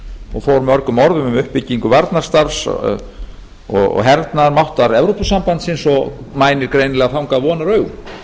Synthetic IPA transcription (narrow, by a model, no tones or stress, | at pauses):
ɔɣfowɾmœɾkʏmɔɾðʏmʏmʏhpːɪcːiŋkʏvaɾt̪naɾ̥st̪aɾs | ɔ̰ɣɔ̰ɦɛɾt̪naɾmawht̪aɾɛvɾowpʏsampant̪sɪnsɔ | maːjnɪɾkɾejnɪlɛɣaθawŋkavɔːnaɾœɥɣ